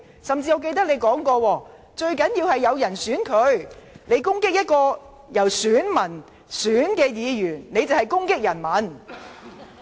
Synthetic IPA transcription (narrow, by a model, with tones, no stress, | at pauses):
sɐ˨mt͡siː˧ɔː˨˧ke˧jt̪ɐ˥k̚ne˨˧jkɔː˨˥ŋkɔː˧wɔː˧ | t͡ʃɵ˧ɥkɐ˨˥njiː˧whɐ˨jːɐ˨˧wjɐ˨˩nsyː˨˥nkʰɵ˨˧˥ɥne˨˧jkʊ˥ŋkɪ˥k̚jɐ˥t̚kɔː˧ | jɐ˨˩wsyː˨˥nmɐ˨˩n | syː˨˥nkɛː˧jiː˨˧jyː˨˩nne˨˧jt͡sɐ˨whɐ˨˩jkʊ˥ŋkɪ˥k̚jɐ˨˩nmɐ˨˥n